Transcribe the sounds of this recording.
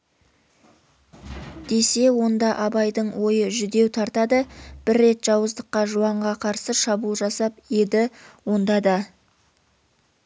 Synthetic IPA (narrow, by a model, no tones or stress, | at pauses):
d̪̥e̞se̞wo̞nd̪ɑʔɑbɑjd̪əɴwo̞jəʒʏd̪e̞wt̪ʰɑɾt̪ɑd̪əb̥ɪɾːe̞t̪ʒ̥ɑwəzd̪əqːɑʒuɑɴʁɑqʰɑɾsəʃɑbulˠʒɑsɑp̚jed̪ɪwo̞nd̪ɑd̪ɑ